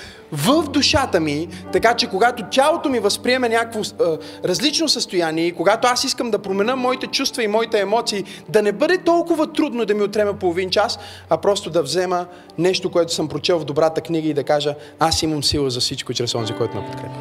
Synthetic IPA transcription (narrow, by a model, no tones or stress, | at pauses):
vəfd̪uʃat̪əmit̪ɐkat͡ʃɛkoɡat̪otʲalˠot̪omivɐspɾiɛmɛnʲakkvo | ɾɐzlit͡ʃnosəst̪ojaniɛikoɡat̪oasiskəmd̪ɐpɾomɛnəmːɔit̪ɛt͡ʃust̪vɐimɔit̪ɛːmɔt̪siː | d̪ɐnɛbɤd̪ɛt̪ɔlˠkʊvɐt̪ɾud̪nod̪ɐmiot̪ɾɛmɛpolˠovint͡ʃas | ɐpɾɔst̪od̪ɐvzɛmə | nɛʃt̪okoɛt̪ʊ̥səmpɾot͡ʃɛlˠvd̪obɾat̪əkniɡəid̪ɐkaʒə | asiməmsilˠəzɐfsit͡ʃkot͡ʃɛɾɛsɔnzikɔɛt̪ʊnɛ̰pot̪kɾɛp